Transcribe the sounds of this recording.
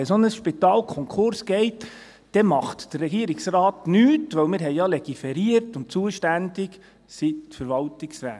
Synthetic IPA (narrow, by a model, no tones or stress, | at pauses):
ɛsonəsʃpit̪ɑːlkʰɔŋkʰχʊɾsɡɛɪt | d̥ɛmɑχtd̥ərːɛɡiəɾɪksrɑːtnyːtʋœwmɪːɾɦɛɪjɑlɛɡ̥ifɛɾiəɾtʊntt͡suəʃtænd̥ɪɡ | sifəɾʋɑltɪksɾæ̰ː